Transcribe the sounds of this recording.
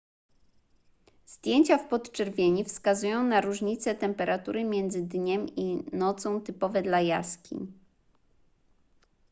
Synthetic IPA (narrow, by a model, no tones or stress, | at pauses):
z̥d̪ʲjeɲt͡ɕafpɔt̪t͡ʂɛɾvʲjeɲifskazujɔ̃w̃naɾuʐɲit̪sɛt̪ɛmpɛɾʔat̪uɾɘmʲjɛnd̪zɘd̪ɲɛminɔt̪sɔ̃w̃t̪ɘpɔvɛd̪laja̰skʲḭɲ